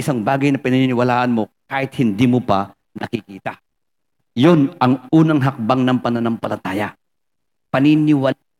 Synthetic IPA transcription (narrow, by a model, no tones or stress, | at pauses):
ɪsaŋbaːɡɐjnɐpɪnɪnɪnɪwɐlaːʔɐnmo̞kaːhɪt̪̚hɪnd̪iːmopɐ | nɐkɪkiːt̪a | jo̞nʔɐŋʔuːnɐŋɦɐk̚baŋnɐŋpɐnɐnɐmpɐlɐt̪aːjɐ | pɐnɪnɪwa